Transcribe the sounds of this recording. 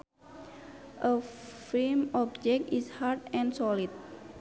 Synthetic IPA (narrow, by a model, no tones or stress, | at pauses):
ʔəfilmɔb̚d͡ʒɛk̚tishart̪ɛ̃nsɔlid̪̚